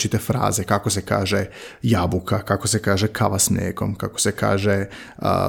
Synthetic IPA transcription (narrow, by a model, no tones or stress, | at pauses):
t͡ʃit̪efɾa̰ːzekako̞se̞ka̰ːʒejabukʰakakosekaːʒekʰa̰ʋasnḛːko̞̰mkako̥seka̰ːʒḛ